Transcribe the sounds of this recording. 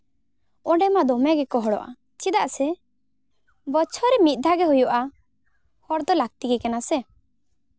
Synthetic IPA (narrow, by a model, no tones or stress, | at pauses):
ɔɖɛmad̪ɔmjaɡɛkɔɦɔɽɔ̰ʔa̰ | t͡ʃid̪aʔsɛ | bət͡ʃʰɔɾɛmit̪̚ˀd̪ʱaɡɛɦujɔʔa | hɔɽd̪ɔlak̚t̪iɡɛkɛnasɛ